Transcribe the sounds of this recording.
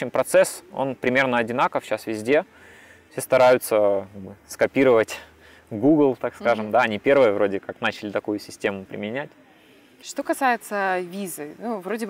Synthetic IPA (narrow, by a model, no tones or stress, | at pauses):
ɕɪmpɾɐt̪sɛso̞̰npɾʲɪmʲe̞rnəɐdʲɪnakəfɕasvʲɪzʲdʲe | fʲsʲe̞st̪ɐɾajʊt̪səkaɡbɨskɐpʲiɾəvətʲ | ɡuɡlˠt̪akskaʐɨmd̪aɐnʲipʲe̞rvɨjəvɾo̞dʲɪkaknat͡ɕɪlʲɪt̪ɐkujʊsʲɪsʲtʲe̞mʊpɾʲɪ̰mʲɪnʲætʲ | ʂt̪o̞kɐsajɪt̪səvʲizɨnuvɾodʲɪb